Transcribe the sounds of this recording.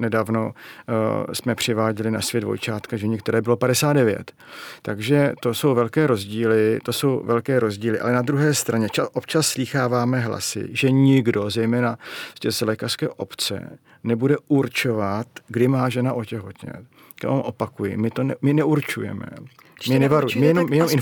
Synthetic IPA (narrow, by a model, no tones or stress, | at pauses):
nɛdaːvno̞ | smɛpr̝̥ɪvaːɟɛlɪnasvjɛdvo̰jt͡ʃaːt̪kaʒɛɲɛkt̪ɛɾɛːbɪlo̞padɛsaːt̪dɛvjɛ̰t̪ː | aɡʒɛt̪o̞so̞wvɛlkɛːɾo̞zɟiːlɪt̪oso̞wvɛlkɛːɾo̞zɟiːlɪʔa̰lɛnad̪ɾuɦɛːst̪ɾaɲɛt͡ʃaʔopt͡ʃasːliːxaːvaːmɛɦla̰sɪ̰ʒɛɲɪɡdo̞zɛjmɛːnacɛːzlɛːkar̥skɛ̰ːʔo̞pt͡sɛ̰ | nɛbudɛʔuɾt͡ʃo̞vat̪ɡdɪmaːʒɛnaʔocɛɦo̞t̪ɲɛ̰ | omʔo̞pakujɪ̰mɪt̪onmɪnɛʔuɾt͡ʃṵjɛ̰mɛ̰ | mɪnɛvaɾumɪjjɛnomjɛnomɪn